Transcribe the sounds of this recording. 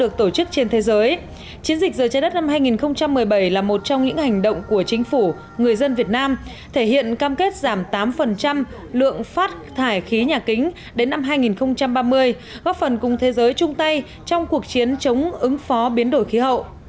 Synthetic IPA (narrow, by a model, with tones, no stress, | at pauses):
ɗɨ˨˩ək̚t̪o˧˩t͡ɕɨ˦˥k̚t͡ɕe˧nt̪ʰe˨˦zəː˨˦j | t͡ɕi˨˦ənzi˨˩k̟̚zəː˨˩jt͡ɕaː˧jɗə˦˥t̚na˧mɦaː˧jŋi˨˩nxə˧wŋ͡mt͡ɕa˧mːɨ˨˩əjɓa˧˩jlaː˨˩mo˨˩t̚t͡ɕɔ˧wŋ͡mɲɨ̰˧˥ŋha˨˩jŋ̟ɗə̰˧˨wŋ͡mku˧˩ət͡ɕï˨˦ŋ̟fu˧˩ | ŋɨ˨˩əjzə˧nvi˨˩ət̚naː˧m | t̪ʰe˧˩hḭ˧˨ənkaː˧mke˦˥t̚zaː˧˩mt̪aː˨˦mfə˨˩nt͡ɕa˧m | lɨ̰˧˨əŋfaː˦˥t̚t̪ʰaː˧˩jxi˨˦ɲaː˨˩kï˨˦ŋ̟ | ɗe˨˦nːa˧mɦaː˧jŋi˨˩nxə˧wŋ͡mt͡ɕa˧mɓaː˧mɨ˧əj | ɣɔ˦˥p̚fə˨˩nkʊ˨˩ŋ͡mt̪ʰe˨˦zəː˨˦jt͡ɕʊ˧ŋ͡mt̪a˧j | t͡ɕɔ˧wŋ͡mku˨˩ək̚t͡ɕi˨˦ənt͡ɕə˨˦wŋ͡mʔɨ˨˦ŋfɔ˨˦ɓi˨˦ənɗo˧˩jxi˨˦ɦə̰˧˨wʔ